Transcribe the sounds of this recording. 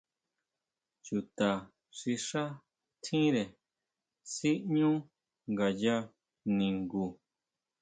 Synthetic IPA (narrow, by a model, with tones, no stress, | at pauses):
t͡ʃu˨t̪a˨ | ʂi˧ʂa˦ | t̪ʰĩ˦ɾe˨ | si˦ɲũ˦ | ŋɡa˨ja˦ | nĩ˨ŋɡu˨